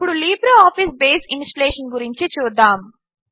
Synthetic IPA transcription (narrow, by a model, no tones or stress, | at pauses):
puɽuliːbɾɐaːfisbeːsinsʈɐleːʂɐnɡuɾiɲt͡ʃit͡ʃuːd̪ːaːm